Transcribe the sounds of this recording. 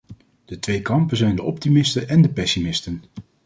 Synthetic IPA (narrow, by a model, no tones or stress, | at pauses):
d̥ətʋejkɑmpənzɛjndəʔɔptimɪstəʔɛndəpɛsimɪstən